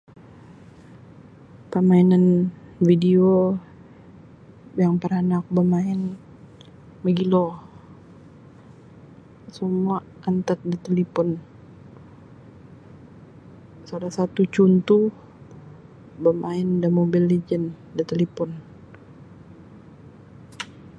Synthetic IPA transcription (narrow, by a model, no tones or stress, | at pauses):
pəmainanfidio | jaŋpəɾanak̚bəmaɪn | məɡilɔ | səmua | ant̪ət̪̚dət̪elipɔn | salasat̪ut͡ʃunt̪u | bəmaɪndamobilːed͡ʒən | dət̪elipɔn